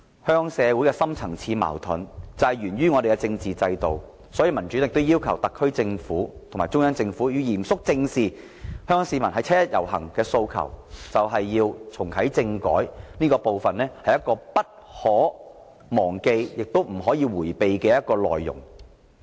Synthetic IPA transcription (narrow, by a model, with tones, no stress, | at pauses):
hœː˥ŋsɛː˨˧wu˨˥jkɛː˧sɐ˥mt͡sʰɐ˨˩ŋt͡sʰiː˧ma̰ː˨˩wt̪ʰʊ˨˥nt͡sɐ˨jɥyː˨˩nɥyː˥ŋɔ˨˧ɾe˨kɛ˧t͡sɪ˧ŋt͡siː˨t͡sɐ˧jt̪o˨˩w | sɔː˨˥jiː˧mɐ˨˩nt͡ʃy˨˥lɪ˨k̚t̪o˥wjiː˥wkʰɐ˨˩wt̪ɐ˨kʰːɵ˥ɥt͡sɪ˧ŋfuː˨˥t̪ʰʊ˨˩ŋmaː˨˩t͡sʊ˥ŋjɐ˥nt͡sɪ˧ŋfuː˨˥jy˧wjiː˨˩msʊ˥k̚t͡sɪ˧ŋsiː˨˩ | hœ˥ŋkɔː˧˥ŋsiː˨˧mɐ˨˩nɦɐ˨jt͡sʰɛː˥jɐ˥t̚jɐ˨˩whɐ̰˨˩ŋkɛː˧so˧wkʰɐ̰˨˩wt͡sɐ˨wɦɐ˨jːiː˧wt͡sʰʊ˨˩ŋkʰɐ˨˥jt͡sɪ˧ŋkɔ̰ː˨˥jniː˥kɔː˧po˨wfɐ˨nlɛː˥hɐ˨jɐ˥t̚kɔː˧pɐ˥t̚ | hɔː˨˥ | mɔː˨˩ŋke˧jjɪ˨k̚t̪o˥wm̩˨˩ɦɔː˨˥jiː˧wuː˨˩jpe˨jkɛː˧jɐ˥t̚kɔː˧lɔ̰ː˨jːʊ̰˨˩ŋ